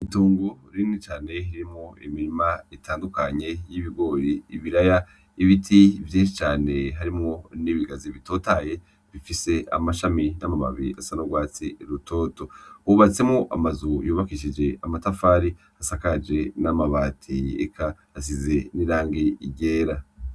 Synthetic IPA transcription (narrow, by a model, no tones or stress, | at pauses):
ituːŋɡuɾinit͡ʃaːne̞hiɾiɾimŋoimiɾimaitʰaːndukaɲe̞jiβiɡo̞ːɾiːβiɾaja | iβitʰivjeːnʃit͡ʃaːne̞ɦaɾimŋo̞niβiɡaziβito̞ːtaje̞ | βifise̞a̰maʃaminamaβa̰βia̰sanoɡwaːt͡siɾutʰo̞ːto̞huβat͡se̞mŋoʔa̰mazujuːβakiʃid͡ʒe̞amatafaːɾi | asakad͡ʒe̞namaβatʰiḛkʰaː | s̬ize̞niɾaːŋɡiiɟe̞ːɾa